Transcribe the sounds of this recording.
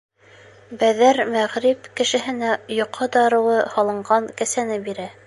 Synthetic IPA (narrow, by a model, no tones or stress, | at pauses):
bæðæɾmæʁɾipkɘ̆ʃɘ̆ɦɘ̆næjŏqʰːɑd̪ɑɾɤ̆wɤhɑlˠɤ̆ɴɢɑŋkæsænɘbiɾæ